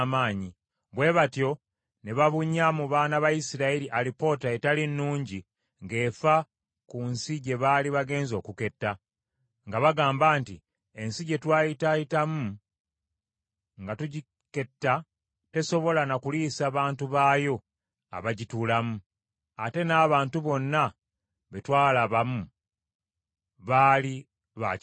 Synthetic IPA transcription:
maːɲi | βwe̞ːβatjo̞ | neβaβuɲːamuβaːnaβajisiɾailiʔalipo̞taetalinːuːɲɟi | ŋɡe̞ːfa | kunsiɟe̞βaliβaɡe̞ːnzo̞ːkuke̞tːa | ŋɡaβaɡaːmbaːnti | e̞nsiɟe̞twaːjitajitamu | ŋɡatuɟi | ke̞tːa | te̞so̞βo̞lanakuliːsaːβaːntuβaːjo̞ | a̰βaɟituːlamu | ate̞naːβaːntuβo̞nːa | βe̞twaːlaβamu | βaːli | βa

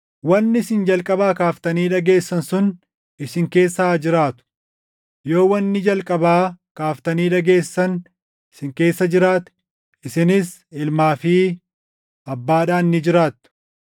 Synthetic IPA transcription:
wɐnːɪsɪnd͡ʒɐlkʼɐbaːkaːft̪ɐniːᶑɐɡe̞ːsːɐnsʊn | ɪsɪŋke̞ːsːaːd͡ʒɪɾaːt̪ʊ̥ | jo̞ːwɐnːɪd͡ʒɐlkʼɐbaːkaːft̪ɐniːᶑɐɡe̞ːsːɐn | ɪsɪŋke̞ːsːɐd͡ʒɪɾaːt̪ɛ̥ | ɪsɪnɪs | ɪlmaːfiː | ɐbːaːᶑaːnːɪd͡ʒɪɾaːt̪ːʊ̥

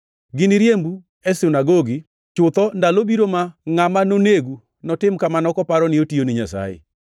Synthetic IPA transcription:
ɡɪnɪɾjembu | ɛsinaɡoɡɪ | t͡ʃʊt̪ɔndalobiɾomaŋamanoneɡu | nɔtɪmkamanɔkɔpaɾɔnɪotionɪɲasa̰jḛ

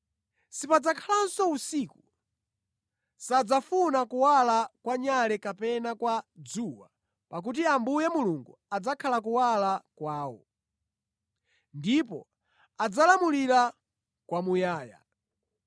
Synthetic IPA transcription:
sipad͡zakʰalansɔusiku | sad͡zafunakuwalakwaɲalɛkapɛnakwad͡zuwa̰ | pak̬ut̬iambujɛmuluŋɡuad͡zakʰalak̬uwalakwaːwɔ̰ | ndipɔ | ad͡zalamuliɾa | kwamujaːja̰

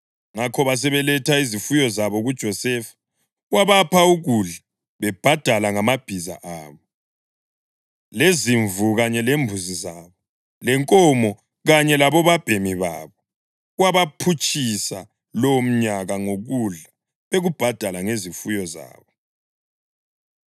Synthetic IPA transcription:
ŋakʰɔβas̬ɛβɛlɛtʰaizifujɔzaβɔɣud̥ʒ̥ʱɔsɛfḁ | ɣwaβapʰauɣuɮa | βɛb̥ʱad̥ʱalaŋamab̥ʱiza̰ʔaːβɔ | leziɱvuɣaɲɛlembʱuzizaːβɔ | lɛŋkʼɔmɔ | ɣaɲɛlaβɔβab̥ʱemiβa̰βɔ | ɣwaβapʰut͡ʃʼisa | lɔm̩ɲaɣaŋoɣuɮa | βeɣub̥ʱad̥ʱalaŋezifujɔza̰ːβɔ

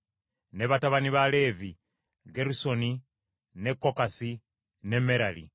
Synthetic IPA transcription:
ne̞βataβaniβale̞vi | ɡeɾuso̞ni | ne̞kːo̞kasi | ne̞me̞ɾalḭ

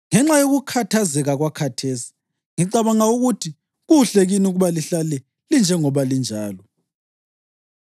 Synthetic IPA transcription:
ŋɛŋ͡ǁajoɣukʰatʰazɛɣaɣwakʰatʰeːsi̥ | ŋiǀaβaŋauɣutʰi | ɣuɬeɣiniuɣuβaliɬalɛ | lind͡ʒʱɛŋɔβalind͡ʒʱaːlɔ

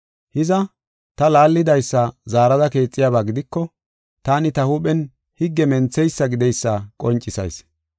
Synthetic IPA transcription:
hɪzɐ | t̪ɐlaːlːɪd̪ɐjsːɐzaːɾɐd̪ɐke̞ːt͡sʼːɪjaːbaːɡɪd̪ɪkːɔ | t̪aːnɪt̪ɐhupʼɛn | hɪɡːɛmɛnt͡sːɛjsːɐɡɪd̪ɛjsːɐkʼɔnt͡ʃʼːɪsɐ̰js

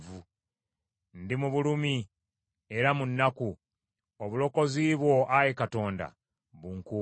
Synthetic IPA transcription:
vu | ndimuβulumi | eɾamunːaku | oβulo̞ko̞ziːβwo̞ʔajekato̞ːnda̰ | βuŋku

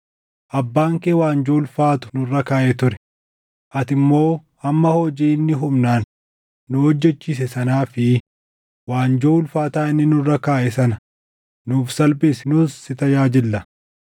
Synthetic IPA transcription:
ʔɐbːaːŋkeːwaːnd͡ʒoːlfaːt̪ʊ̥nʊrːɐkaːʔɛt̪ʊɾɛ̥ | ʔɐt̪ɪmːo̞ː | ɐmːɐhoːd͡ʒiːnːɪɦʊmnaːnː | ʊhɔd͡ʒːɛt͡ʃːiːs̬ɛsɐnaːfɪ | waːnd͡ʒoːlfaːt̪aːɪnːɪnʊrːɐkaːʔɛsɐnɐ̥ | nuːfsɐlbɪsnʊsːɪt̪ɐjaːd͡ʒɪlːɐ

